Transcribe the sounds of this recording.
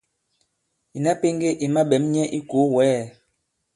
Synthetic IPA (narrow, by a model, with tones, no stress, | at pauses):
i˨na˦pe˦ŋ˦ɡe˦ʔi˨ma˦ɓɛ˨˦mɲɛ˦ʔi˦ko˨˦wɛː˨˦˨